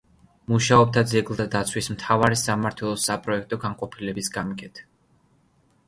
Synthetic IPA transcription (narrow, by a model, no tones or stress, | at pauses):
muʃaɔb̚t̪ʰad̪zɛɡlˠd̪ad̪at̪sʰwismt̪ʰavaɾisamaɾt̪ʰwɛlˠɔsapʼɾɔɛk̚ʰt̪ʼɔɡaŋqʼɔpʰilɛbisɡamikʼɛt̪ʰ